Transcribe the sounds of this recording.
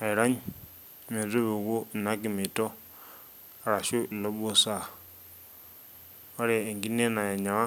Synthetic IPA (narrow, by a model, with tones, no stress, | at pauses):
a˨i˨ɾa˦ɲ˨ | me˨zu˦βu˨ɣu˦˨na˦k̬i˨mi˨tɔ˦˨ | ɾa˨ʃu˦˨lɔ˦ɓo˦sa˨ | ɔ˦ɾɛː˨ŋɡi˦nɛ˦na˨ja˨ɲa˨wa˦